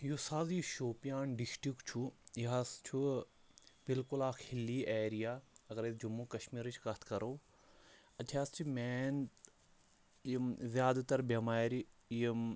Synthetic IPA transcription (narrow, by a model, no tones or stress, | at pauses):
jusaːziʃoːpijaːnɖisʈikt͡ʃʰujiɦast͡ʃʰu | bilkulaːkʰhilːiʔeːɾijaːɐɡɐɾed͡ʒumːukɐʃmiːɾɨt͡ʃʰkɐt̪ʰkɐɾoː | ɐjaːst͡ʃʰimɛːn | zjaːd̪t̪ɐɾbɐmaːɾ